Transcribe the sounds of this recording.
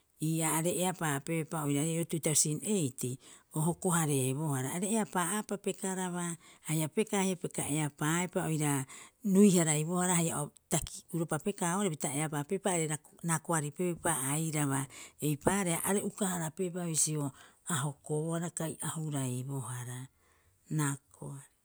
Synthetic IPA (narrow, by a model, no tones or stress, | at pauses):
iːaːɾe̞ːapape̞paojɾaɾeotutawsinejtioɦoko̞ɦaɾe̞βo̞haɾaːɾe̞ːapaapape̞kaɾaβahajape̞kahajape̞ka̰ʔe̞apaːepaojɾanujhaɾajβo̞haɾahaja̰otakiuɾopape̞kaoaɾebitaeapape̞paːɾeɾanakoaɾipepaajɾaβae̞jpaɾeaʔaɾeʔukahaɾape̞paβisio̞aɦo̞koohaɾakajʔahuɾajbo̞haɾa | nakʰoaɾi